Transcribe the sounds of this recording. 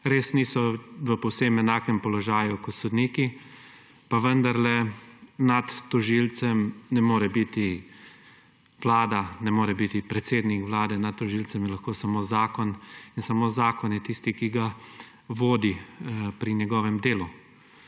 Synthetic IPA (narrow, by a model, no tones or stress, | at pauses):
ɾeːsnisɔʋəpɔwsemɛnaːkɛmpɔlɔʒaːjukɔt̪sɔd̪niːki | paʋənd̪aɾlɛnat̪ːɔʒilt̪sɛmnɛmoːɾɛbit̪i | ʋlaːd̪anɛmoːɾɛbit̪ipɾɛt̪seːd̪nikʋlaːd̪ɛnat̪̚t̪ːɔʒilt͡s̪ɛmilaxkoːsamoːzaːkɔninsamoːzaːkɔnjɛt̪ist̪ikiɡa | ʋoːd̪ipɾinjɛɡɔːʋɛmd̪eːlu